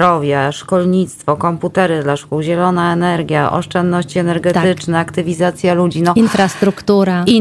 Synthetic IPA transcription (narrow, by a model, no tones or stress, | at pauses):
ɾɔvʲjaʂkɔlɲit̪st̪fɔkɔmput̪ɛɾɘd̪laʂkuwʑɛlɔnaɛnɛɾɡʲjaʔɔ̰ʂt͡ʂɛnd̪nɔɕt͡ɕiɛnɛɾɡɛt̪ɘt͡ʂnɛakt̪ɘvʲizat̪sʲjalud͡ʑinɔinfɾast̪ɾukt̪uɾai